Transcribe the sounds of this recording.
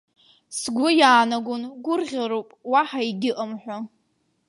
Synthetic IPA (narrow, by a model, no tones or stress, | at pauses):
sɡʷʊjaːnaɡʷʊnɡʷʊrʁʲaɾowpʼwaħaiɡʲɪʔəmħʷᶣa